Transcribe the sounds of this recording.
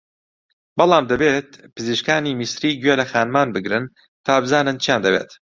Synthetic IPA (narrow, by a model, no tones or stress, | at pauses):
bɑlˠɑːmd̪ɐbet̪̚pʰɨziʃkaːniːmisɾiːɡɥelɐxaːnmaːnbɨɡɾɨn | t̪ʰaːbɨzaːnɨnt͡ʃʰijaːnd̪ɐbḛːt̪